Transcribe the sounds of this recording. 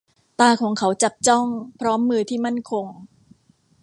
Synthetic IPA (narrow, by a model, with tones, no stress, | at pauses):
t̪aː˧kʰɔː˩˦ŋkʰa˩˦wt͡ɕa˨˩p̚t͡ɕɔ˥˩ŋpʰɾɔː˦˥mːɯː˧t̪ʰiː˥˩ma˥˩nkʰo˧ŋ